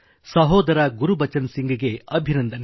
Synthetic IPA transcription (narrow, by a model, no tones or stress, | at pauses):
sɐɦoːd̪ɐɾɐɡuɾubɐt͡ʃɐnsiŋɡɐɡeɐbʱinɐnd̪ʱɐn